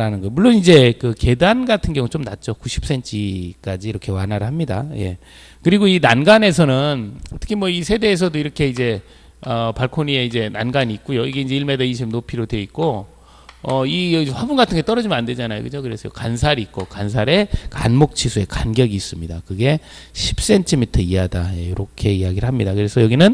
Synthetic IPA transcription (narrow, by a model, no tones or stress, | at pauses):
ɾanɯnɡʌmuɭːonid͡ʑe̞kɯke̞danɡatʰɯnɡjʌŋut͡ɕomnat̚t͡ɕ͈okuɕʰi̥p̚s͈e̞nt͡ɕʰik͈ad͡ʑiːɾʌkʰe̞wanaɾɯɭɦamɲida̰je̞̰ | kɯɾiɡoinanɡane̞s̬ʰʌnɯnʌtʰɯ̥kʰimwʌisʰe̞de̞ːs̬ʰʌdoiɾʌkʰe̞id͡ʑe̞ | ʌpaɭkʰonie̞id͡ʑe̞nanɡaɲiːt̚k͈ujoiɡe̞ind͡ʑe̞iɭmedeiɕ̬ʰimnopʰiɾodwe̞it̚k͈o | ʌijʌeɸwabunɡatʰɯŋɡet͈ʌɾʌd͡ʑimʌnande̞d͡ʑanajo̰kɯd͡ʑokɯɾe̞sʰʌjo̰kansʰaɾiːt̚k͈okansʰaɾe̞ka̰nmok̚t͡ɕʰisʰue̞kanɡjʌɡiːs͈ɯmɲidakɯɡe̞ | ɕʰi̥p̚s͈e̞ntʰimitʰʌiadajejoɾokʰe̞iaɡiɾɯɭɦamɲidakɯɾe̞sʰʌjʌɡinɯn